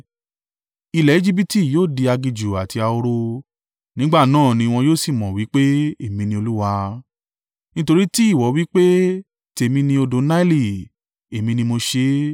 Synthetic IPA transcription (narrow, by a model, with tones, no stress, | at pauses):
i˧lɛ˨i˦d͡ʒi˦bi˦ti˦˨joː˦˨di˧a˧ɡi˧d͡ʒu˨a˨ti˧a˧o˧ɾo˧ | nĩ˦ɡ͡ba˦˨nãː˦˨nĩ˧w̃ɔ̃˧joː˦˨si˦˨mɔ̃˨wi˨˦k͡pe˦e˦˨mĩ˧nĩ˧o˧lu˦wa˧ | nĩ˦to˧ɾi˦ti˦i˦˨wɔ˨˦wi˦k͡pe˦ | te˨mĩ˧nĩ˧o˧do˧˦na˦i˦li˦˨ | e˨mĩ˧nĩ˧mo˧ʃe˧˦